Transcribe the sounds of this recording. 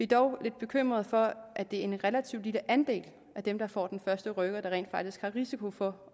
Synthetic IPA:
ʋid̥ɒʊle̝d̥̚b̥e̝kʰøm̰ʁɐð̞̩ˠfɒ̽ʔæd̥e̝æɐenʁɛlæt͡sʰiʊd̥iləʔænd̥e̝̰ːl | ʔæd̥emd̥ɑ̈fɒ̰ːd̥enfɶɐsd̥əʁœɡ̥ɐɾ̥ɑ̈ʁḛːnd̥fɑ̈ɡ̥̚d̥isɡ̥hɑ̈ʁisikʰo̝fɒ̽

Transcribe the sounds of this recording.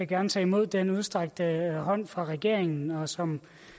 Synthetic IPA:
eɡ̥æɐnət͡sʰɛ̰ːimo̝ð̞̰ˠd̥enuð̞ˠsd̥ʁaɡ̥̚d̥əɦɒ̽n̰fʁɑ̈ʁɛɡ̥e̝ɐ̰eŋn̩ɒ̽sɒ̽m

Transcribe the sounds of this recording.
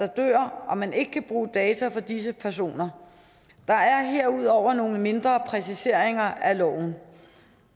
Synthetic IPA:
ɑ̈d̥ø̰ːɐ̰ɒ̽mæne̝ɡ̥əkʰæb̥ʁuːd̥ɛːt͡sʰæfɒ̽d̥is̬əpʰæɐs̬o̝̰ːnɐ | d̥ɑ̈æɐɦe̝ɐ̰uð̞̰ˠɒʊ̰ɐno̝ːŋəme̝nd̥ʁɐpʰʁɛsise̝ɐ̰e̝ŋɐælɒ̰ʊ̰n̩

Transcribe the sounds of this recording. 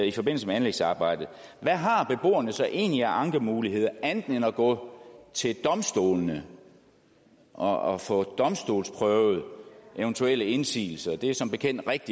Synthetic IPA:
ifɒ̽b̥e̝n̰l̩səmeænleɡ̥sɑ̈ːb̥ɑ̈ɪ̰d̥ð̩ˠ | ʋæɦɑ̈b̥e̝b̥o̝̰ːɐnəsɒ̽ʔe̝̰ːnliæʔɑ̈ŋd̥ʁɐmuːliɦe̝ð̞̰ˠɐæn̥n̩enɒɡ̥ɔ̰̽t͡sʰe̝ld̥ɒ̽msd̥o̝̰ːlnə | ʔɒɒfɔ̰d̥ɒ̽msd̥o̝ːlspʰʁœʊð̞̩ˠʔeʊnt͡sʰuel̰əe̝nsḭːl̩sɐd̥e̝æsɒ̽mb̥e̝kʰen̰d̥ʁeɡ̥̚d̥i

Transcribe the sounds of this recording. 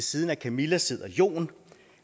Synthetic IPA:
siːð̞ˠnækʰæmilæse̝ð̰ˠɐjo̝̰ːn

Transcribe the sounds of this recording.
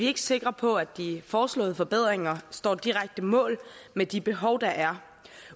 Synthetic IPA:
ie̝ɡ̥əse̝ɡ̥ʁɐpʰɒ̽æ̥ifɒːslɔ̰̽ːð̞̩ˠfɒ̽b̥eð̞̰ˠʁeŋɐsd̥ɒ̰ːd̥iʁaɡ̥̚d̥əmɔ̰̽ːlmed̥ib̥e̝ɦɒʊd̥ɑ̈ʔæɐ

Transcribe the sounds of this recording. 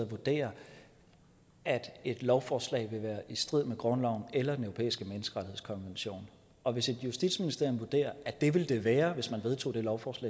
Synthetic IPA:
ʋud̥e̝̰ːɐ | æd̥e̝d̥lɒʊfɒːslɛ̰ɪ̰ʋe̝ʋæːɐʔisd̥ʁið̞̰ˠmeɡ̥ʁɶnlɒʊn̩elɐd̥enøopʰḛːisɡ̥əmenəsɡ̥əʁɑ̥̈ihḛskʰɒ̽nʋenɕo̝̰ːn | ɒ̽ʋe̝se̝d̥jusd̥id̥sminisd̥e̝ɐ̰jmʋud̥e̝̰ːɐʔæd̥e̝ʋe̝ld̥e̝ʋæːɐʋe̝smænʋe̝ð̞ˠt͡sʰo̝̰ːd̥e̝lɒʊfɒːslɛ̰

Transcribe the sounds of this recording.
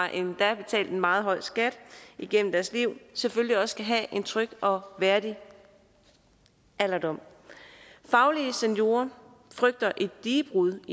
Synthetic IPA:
ɑ̈ʔe̝nd̥æb̥e̝t͡sʰɛ̰ːld̥enmɑ̈ːð̩ˠɦɒ̽ɪ̰sɡ̥æd̥iɡ̥en̰m̩d̥æɐsliʊ̰sefølliɒ̽sɡ̥æɦæʔe̝nt͡sʰʁœɡ̥ɒ̽ʋæɐd̥i | ælɐd̥ɒ̽m̰ | fɑ̈ʊliəsenjo̝̰ːɐ | fʁœɡ̥̚d̥ɐʔe̝d̥ːiːb̥ʁuðˠi

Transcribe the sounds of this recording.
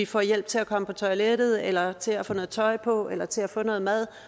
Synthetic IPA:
ifɒ̰jel̰b̥̚t͡sʰe̝lækʰɒ̽məpʰɒ̽t͡sʰɒ̽ɪled̥ð̞̩ˠelɐt͡sʰe̝læfɔ̽ːnɔ̽ːð̩ˠt͡sʰɒ̽ɪpʰɒ̽elɐt͡sʰe̝læfɔ̽ːnɔ̽ːð̩ˠmæð̞ˠ

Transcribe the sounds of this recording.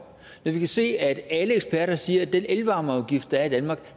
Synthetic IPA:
nɒʋikʰæse̝̰ːæd̥æləeɡ̥sb̥æɐ̰ɾɐsiːɐæd̥enʔelʋɑ̈ːmɐɑʊɡ̥ifd̥æɐid̥ænmɑ̈ːɡ̥

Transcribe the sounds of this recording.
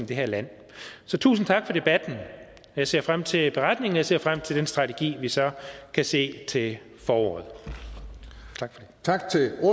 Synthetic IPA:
m̩d̥e̝ɦæɐ̰læn̰ | sɒ̽t͡sʰṵːsn̩t͡sʰɑ̈ɡ̥fɒ̽ɾ̥e̝b̥æd̥n̩ | jɑ̈ɪse̝ɐ̰fʁam̰t͡sʰe̝lb̥e̝ʁad̥ne̝ŋn̩jɑse̝ɐfʁam̰t͡sʰe̝ld̥ensd̥ʁɑ̈t͡sʰeɡ̥ḭːʋisɒ̽kʰæse̝̰ːt͡sʰe̝l | fɒːɒ̰ːð̩ˠ | t͡sʰɑ̈ɡ̥fɒd̥et͡sʰɑɡ̥t͡sʰeo

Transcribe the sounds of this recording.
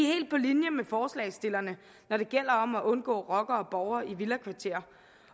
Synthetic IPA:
he̝̰ːld̥̚pʰɒ̽linjəmefɒːslɛ̰ɪsd̥e̝lɐnə | nɒɾ̥e̝ɡ̥el̰ɐɒ̽mæʔɔ̽nɡ̥ɔ̰̽ːʁɒ̽ɡ̥ɐɒ̽b̥ɒʊɐiʋilækʰʋɑ̈t͡sʰe̝̰ːɐ

